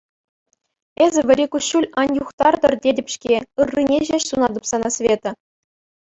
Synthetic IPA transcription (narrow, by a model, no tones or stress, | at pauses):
ezʲɘ̆ʋʲɘ̆ɾʲikuɕːulʲɑnʲjuχt̪ɑrd̪ɤ̆rdʲedʲɘ̆pʲɕkʲeɯrːinʲeʑeɕsunɑd̪ɤpsɑnɑsʲvʲet̪ɤ̆